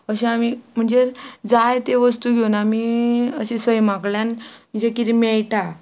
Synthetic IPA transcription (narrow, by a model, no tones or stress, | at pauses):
əɕẽamim̤əɳd͡zed͡zajt̪eʋəst̪uɡʱeunamiəɕesəjmakɭjanm̤əɳd͡zekiɾimɛɭʈa